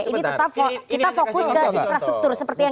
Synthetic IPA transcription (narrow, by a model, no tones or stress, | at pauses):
ʔinit̪ət̪ap̚fokit̪afokʊskəinfɾast̪ək̚t̪ʊrsəpərt̪ija